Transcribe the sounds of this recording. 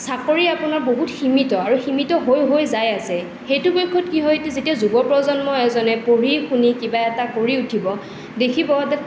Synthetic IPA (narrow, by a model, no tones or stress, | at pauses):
sakɔɹiapʊnaɹboɦutximitɔaɹuximitɔɦojɦojzajasɛ | xejtʊbɔjkʰːɔt̚kiɦɔjtɛzetiazubɔpɹɔzɔnmɔɛzɔnɛpoɹixunikibaɛtakoɹiutʰibɔ | dekʰibɔatɛ